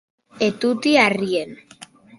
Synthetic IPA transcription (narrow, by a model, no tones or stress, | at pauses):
et̪ut̪iarien